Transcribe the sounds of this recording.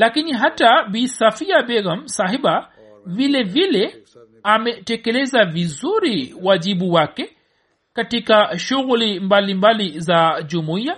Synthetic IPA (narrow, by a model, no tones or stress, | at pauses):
lakiniɦataɓisafiaɓɛɣam̩saɦiɓa | vilɛvilɛ | amɛtɛkɛlɛzavizuɾiwaʄiɓuwakɛ | katikaʃuɣulimbalimbalizaʄumuia